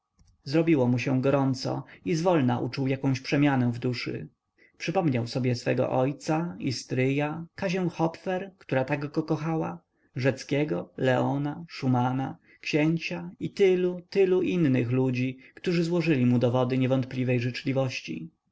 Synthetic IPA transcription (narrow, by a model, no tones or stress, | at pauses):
zɾɔbʲiwɔmuɕɛ̃ɡɔɾɔnt̪sɔ̰izvɔlnaʔṵt͡ʂuwjakɔ̃ɕpʂɛmʲjanɛ̃vd̪uʂɘ̰ | pʂɘpɔmɲawsɔbʲjɛsfɛ̰ɡɔ̰ʔɔjt̪saist̪ɾɘjakaʑɛw̃xɔpfɛɾkt̪uɾat̪aɡɡɔkɔxawa̰ | ʐɛt̪skʲɛɡɔlɛɔnaʂumana | kɕɛɲt͡ɕait̪ɘlut̪ɘluʔinːɨxlud͡ʑikt̪uʐɘzwɔʐɘlʲimud̪ɔvɔd̪ɘɲɛvɔnt̪̚plʲivɛjʐɘt͡ʂlʲivɔɕt͡ɕḭ